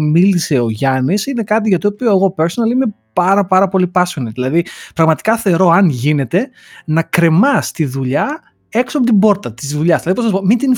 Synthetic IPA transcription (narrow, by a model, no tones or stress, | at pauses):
milise̞o̞ʝɐnisine̞kɐt̪̬iʝɐt̪iopio̞eɣo̞peɾso̞nɐlime̞pɐɾɐpɐɾɐpo̞lipɐsoniðilɐðipɾɐɣmɐt̪i̥kɐθe̞ɾo̞ɐnʝine̞t̪e̞ | nɐkɾe̞mɐst̪iðuʎɐ | e̞ksoɐp̬ot̪ibo̞ɾt̪ɐt̪izðuʎɐzðilɐðiponɐs̬ipomint̪in